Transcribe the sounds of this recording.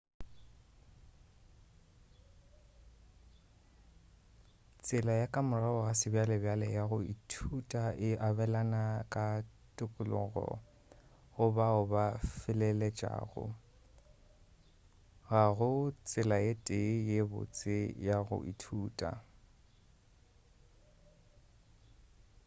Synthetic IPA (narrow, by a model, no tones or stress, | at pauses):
t͡sʼɪlajakʼamʊraʊɣasɪbjalɛbjalɛjaɣʊḭtʰutʼaɪʔabɛlanakʼa | tʼʊkʼʊlʊ̰ɣɔ̰ | ɣʊbaʊbafɪlɛlɛt͡ʃʼa̰ːɣʊ̰ | ɣaɣʊt͡sʼɪlajetʼejebʊ̰t͡sʼɪjaɣʊ̰ʔḭtʰuːtʼa̰